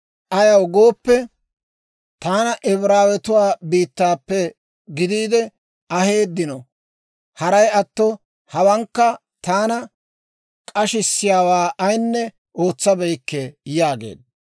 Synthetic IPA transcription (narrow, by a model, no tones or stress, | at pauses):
ʔɐjɐwɡo̞ːpːɛ | t̪aːnɐʔɛβɾaːwɛt̪ʊwaːbiːt̪ːaːpːɛ | ɡɪd̪iːd̪ɛ | ɐhe̞ːd̪ːɪnɔ | hɐɾɐjɐt̪ːɔ | hɐwɐŋkːɐ | t̪aːnɐ | kʼɐʃɪsːɪjaːwaːʔɐjnːɛ | ʔo̞ːt͡sːɐbɛjkːɛjaːɡḛːd̪̚